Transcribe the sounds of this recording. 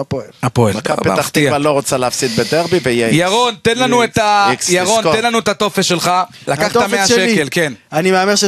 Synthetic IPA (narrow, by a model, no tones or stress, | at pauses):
apoelapoḛlkapet̪at̪iaaloʁot͡saleafsit̪̚bed̪eʁbiveijejaʁo̞nt̪enlanuet̪ajaʁont̪enlanuet̪at̪o̞fesʃe̞lχa | lakaχtt̪amaʃekelkenanimeameʁʃe